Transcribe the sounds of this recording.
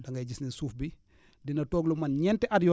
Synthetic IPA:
dɐŋɡajd͡ʒisnisuːfbi | dinɐtɔːɡlumanɲɛntɛʔadjɔ

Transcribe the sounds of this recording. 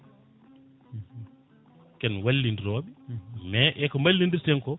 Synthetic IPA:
kɛnwalːindiɾoːɓimɛʔɛkɔmalːindiɾtɛŋkɔ

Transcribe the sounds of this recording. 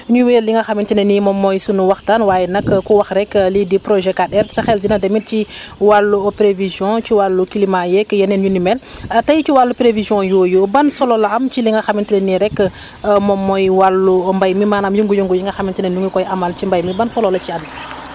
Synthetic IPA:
ɲuwelliŋɡɐxamintinenimɔmːɔjsunuwɐxtanwaːjɛnɐkkːuwɐxɾɛkːlidipɾoʒɛkadɛɾsɐxɛld͡ʒinɐdemit̚ciwalːuopɾevizjɔ̃t͡ʃiwalːukilimajɛkːjɐnenɲunimɛltɐjt͡ʃiwalːupɾevizjɔ̃joːjobɐnsɔlolɐɐmt͡ʃiliŋɡɐxamintinɛniɾɛkː | mɔmːɔjwalːumbajmimaːnamjuŋɡujuŋɡujiŋɡɐxamintinɛnuŋukɔjʔamalt͡ʃimbajmibɐnsɔlolɐcian

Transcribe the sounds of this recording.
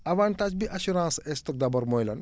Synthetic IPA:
ɐʋaːɳʈaːd͡ʒbiʔɐɕuɾãːnsest̪ɐk̚d̪ɐbɐɾmojlɐ̰n

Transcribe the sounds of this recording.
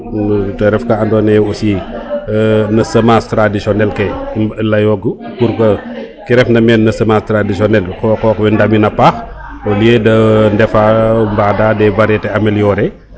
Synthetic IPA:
tɐɾɛfkɐɐndɔːnɛjɛusi | nɐsɐmastɾadisɔnɛlkɛlɐjɔɡu | kuɾkɐ | kiɾɛfnɐmɛːnːɐsəmastɾadisɔnɛlkɔkɔkwɛndɐminɐpax | bɐliedɐndɛfambaːdaːdɛbɐɾɛtɛɐmɛljɔɾɛ

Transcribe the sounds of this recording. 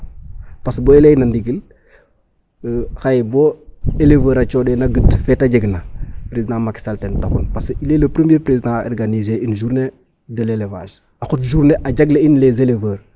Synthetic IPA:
pasboelenandiɡil | xajboelevəːɾat͡ʃɔdenɐɡətfɛtaɟeɡnapɾezidãmaki̥saltentaxunpasilelɐpɾəmieːpɾezidão̰ɾɡanizeinʒuːɾne | dəleleva̰ʃ | axotʒuːɾneʔaɟaɡleinlezelevəɾ

